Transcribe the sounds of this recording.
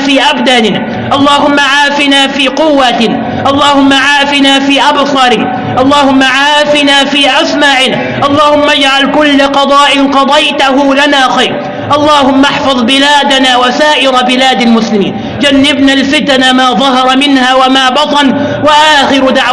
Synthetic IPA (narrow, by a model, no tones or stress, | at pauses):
fiːʔabd̪anɪn | ʔɑlˤːɑːhʊmːaʕaːfɪnaːfiːqʊwːa | ʔɑlˤːɑːhʊmːaʕaːfɪnaːfiːʔabsˤɑɾɪ | ʔɑlˤːɑːhʊmːaʕaːfɪnaːfiːʔasmaʕɪna | ʔɑlˤːɑːhʊmːad͡ʒʕalkʊlːaqɑd̪ˤɑːʔɪnqɑd̪ˤɑjt̪aɦʊlanaːxajɾ | ʔɑlˤːɑːhʊmːaħfɑðˤbɪlaːd̪anaːwasaːʔɪɾabɪlaːd̪almʊslɪmḭːn | d͡ʒanːɪbnalfɪt̪namaːðˤɑɦɑɾˤɑmɪnhaːwamaːbɑt̪ˤɑn | waʔaːxɪɾd̪aʕ